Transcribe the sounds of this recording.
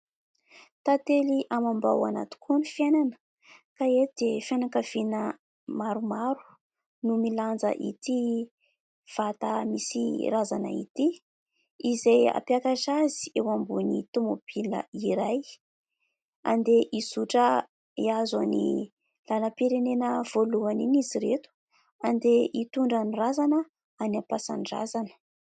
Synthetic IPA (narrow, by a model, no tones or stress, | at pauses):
t̪at̪eliʔamamba̰wa̰na̰t̪u̥kunifjananə̥ | kaed̪̥efianakav̥inə | maɾumaɾu̥ | numiland͡zə̰ʔḭt̪i | v̥at̪amisiɾazanə̰ḭt̪i | izeja̰piakaʃazi̥ewambunit̪umobilə̰iɾaj | a̰nd̪eʔisuʈ͡ʂə | iazanḭ | lanəpiɾenenəv̥oluaniniziɾet̪u̥ | and̪eʔit̪uɳɖ͡ʐənirazanə | anapasa̰nɖ͡ʐa̰zanə̥